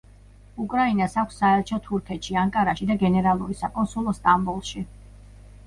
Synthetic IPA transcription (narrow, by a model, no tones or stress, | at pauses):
ukʼɾainasakʷʰsːaɛɾt͡ʃʰɔt̪ʰuɾkʰɛt̪ʃiaŋkʼaɾaʃid̪aɡɛnɛɾalˠuɾisakʼɔnsulˠɔst̪ʼambulˠʃi